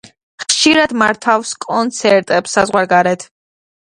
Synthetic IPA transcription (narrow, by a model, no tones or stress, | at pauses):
χʃiɾad̪maɾt̪ʰafskʼɔnt̪sʰɛɾt̪ʼɛpsazʁwaɾɡaɾɛt̪ʰ